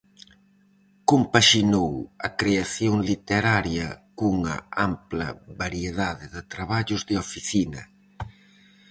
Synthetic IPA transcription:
kompaʃinowɐkɾeaθjoŋlit̪eɾaɾjɐkuŋɐ̰amplɐ̰βaɾjeðaðɪðɪt̪ɾaβaʎʊzðeofiθinɐ

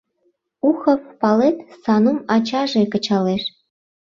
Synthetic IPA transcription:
uxɤ̆ppɑlet̪sɑnumɑt͡ɕɑʒekɤ̆t͡ɕɑleʃ

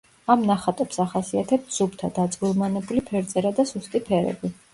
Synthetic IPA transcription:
amnaχat̪ʼɔpsaχasiat̪ʰɛp̚t̪ʰz̥ubt̪ʰad̪at̪sʼɡilˠmanɛbulipʰɛɾt̪sʼɛɾad̪asust̪ʼipʰɛɾɛ̰bi

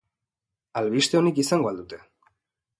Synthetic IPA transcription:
alβiʃt̪eonikiseŋɡwald̪ut̪e

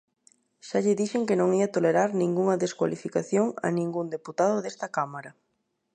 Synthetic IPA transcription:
ʃaʎɪðiʃeŋkɪnõŋiɐt̪oleɾaɾnĩŋɡuŋɐðeskwa̰lifikaθjoŋɐ̰nĩŋɡund̪eput̪að̞ʊðest̪ɐkamaɾɐ

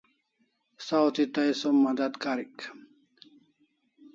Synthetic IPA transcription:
sawt̪it̪ɐjsomːɐd̪ɐd̪kaɾik

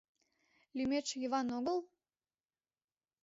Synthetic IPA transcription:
lʲymet͡ʃjəβɑnoɣəl

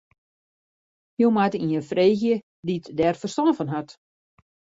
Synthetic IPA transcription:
jowmatəiəfreːxjə | ditdɛrfərstɔnfɔnɦat

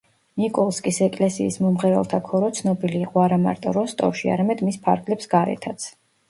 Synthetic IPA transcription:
nikʼɔlˠskʼisɛkʼlɛsiːsmɔmʁɛɾɛ̰lˠt̪ʰakʰɔɾɔt̪sʰnɔbiliːqʼɔaɾama̰ɾt̪ʼɔ̰ɾɔst̪ʼɔ̰ʃia̰ɾamɛd̪mispʰa̰ɾɡlɛpsɡaɾɛ̰t̪ʰat̪sʰ

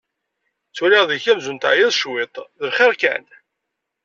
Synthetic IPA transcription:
t͡suɾiʁðiçæmzunt̪aʕjɪðˤʃwɪt̪ˤðəlχɪʁkæ̰n

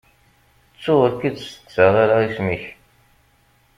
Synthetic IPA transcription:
t͡sːʊəɾkid̪sə̥t͡sːəʁˤaɾaismiç

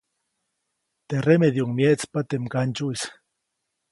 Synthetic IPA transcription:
t̪eremeðjoŋmjet͡spat̪emkant͡ʃuis

